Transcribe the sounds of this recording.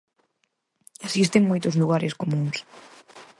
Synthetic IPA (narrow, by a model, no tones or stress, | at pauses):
esist̪eŋmojt̪ʊzluɣaɾɪskomũŋs